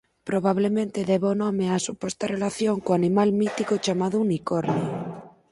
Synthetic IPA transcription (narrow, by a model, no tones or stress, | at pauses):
pɾoβ̞aβ̞lemẽnt̪eðeβonomeasupwest̪arelaθjoŋkoanimalmit̪ikot͡ʃamaðounikoɾne